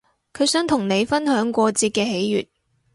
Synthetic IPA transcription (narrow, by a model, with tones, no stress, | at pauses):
kʰɵ˨˧ɥsœː˨˥ŋt̪ʰʊ˨˩ŋne˨˧jfɐ˥nhœː˨˥ŋkʷɔː˧t͡siː˧t̚kɛː˧ɦe˨˥jjy̰ː˨t̚